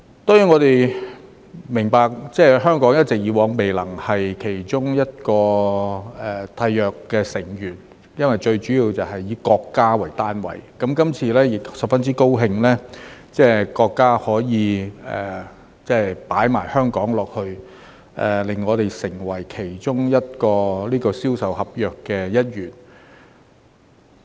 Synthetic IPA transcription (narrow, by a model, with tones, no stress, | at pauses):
t̪ɔː˥jyː˨˥ŋɔː˨˧t̪e˨j | mɪ˨˩ŋpaː˨k̚t͡sɛː˥ɦœː˥ŋkɔː˨˥ŋjɐ˥t̚t͡sɪ˨k̚jiː˨˧wɔː˨˥ŋme˨jlɐ˨˩ŋhɐ˨jkʰe˨˩jt͡sʊ˥ŋjɐ˥t̚kɔː˧ | ɛ˨˩t̪ʰɐ˧jːœː˨kkːɛː˧sɪ˨˩ŋjyː˨˩n | jɐ˥nwɐ˨jt͡ʃɵ˧ɥt͡ʃyː˨˥jiː˧wt͡sɐ˨˩ɦɐ˨jːiː˨˧˥kɔː˧kːaː˥wɐ˨˩jt̪aː˥nwɐ̰˨˩jkɐ˨˦˥mkɐ˥mt͡sʰiː˧lɛː˥jɪ˨ksɐ˨pfɐ˥nt͡siː˥ko˥wɦɪ˧ŋlɛː˥t͡sɛː˥kɔː˧kːaː˥hɔː˨˥jiː˨˧ɛ̰ː˨˩ | t͡sɛː˥paː˨˥jmaː˨˩jhœː˥ŋkɔː˨˥ŋlɔː˨k̚hɵ˧ɥ | ʔɛː˨lɪ˨˩ŋːɔː˨˧t̪e˨jsɪ˨˩ŋwɐ˨˩jkʰe˨˩jt͡ʃʊ˥ŋjɐ˥t̚kɔː˧liː˥kɔː˧siː˥wsɐ˨whɐ˨p̚jœː˨kːɛː˧jɐ˥t̚jyː˨˩n